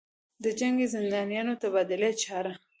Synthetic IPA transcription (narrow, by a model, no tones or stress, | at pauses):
d̪əd͡ʒaŋɡezɪnd̪ɑnjɑnot̪abɑd̪ɪlet͡ʃɑɾa